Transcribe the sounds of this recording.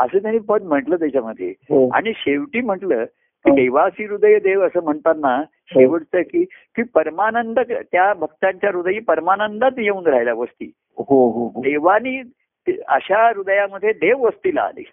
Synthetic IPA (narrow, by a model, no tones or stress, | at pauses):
əsəːt̪jañĩːpəd̪m̤əʈləːt̪̬jat͡ɕaməd̪ʱːjḛɦoa̰ɽ̃iɕeʋʈiːm̤əʈləː | kiːd̪əjʋasiːɾud̪əjəd̪eʋəsəːm̤əɳt̪atnːa | ɕeʋəɽt̪əːkiːkipəɾmanənd̪əkt̪jabʱək̚t̪aɲt͡ɕjaɾud̪jiːpəɾmanənd̪at̪jeũːnɾajlaʋəst̪ḭː | ɦoɦoɦod̪eʋaniː | t̪ə̰ɕaɾud̪əjaməd̪ʱːjed̪eʋʋəst̪iːla̰ːlḛ